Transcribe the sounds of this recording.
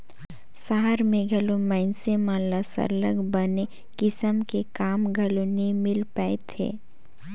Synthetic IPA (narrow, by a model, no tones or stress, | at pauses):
saɦəɾmẽɡʱɐlomɛɪnsemãləsə̰ɾləɡbəne | kɪsəmkekaːmɡʱɐlonimɪlpəːet̪ʰḛː